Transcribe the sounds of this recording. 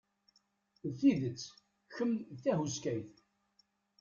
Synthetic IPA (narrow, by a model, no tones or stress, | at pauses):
ðθiðət͡sː | çəmːlθæhuskæjθ